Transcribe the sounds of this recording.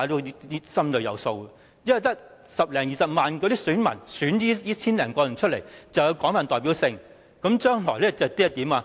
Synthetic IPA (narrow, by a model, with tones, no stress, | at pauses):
a˨˥t̪o˧˥i˥i˥sɐ˥mlɵ˨˧ɥjɐ˨˧wso˧w | jɐ˥˧˩t̪ɐ˥k̚ | sɐ˨p̚lɛː˨˩ŋjiː˨˩sɐ˨p̚maː˨nkɔ˧ɾiː˥syː˨˥nmɐ̰˨˩nsyː˨˥niː˥ji˥t͡sʰiː˥nlɛː˨˩ŋkɔː˧jɐ˨˩nt͡ʃʰɵ˥t̚le˨˩jt͡sɐ˨wjɐ˨˧wkɔː˨˥ŋmfaː˨nt̪ɔː˨˩piː˨˥wsɪ˧ŋ | kɐ˨˧˥mt͡ʃœː˥ŋlɔː˨˩lɛː˥t͡sɐ˨t̪i˥jɐ˥t̪iː˨˥maː˧